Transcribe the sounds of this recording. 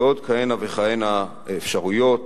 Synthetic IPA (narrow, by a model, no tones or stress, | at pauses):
o̞d̪kajenaveχajena | efʃaʁujo̞t̪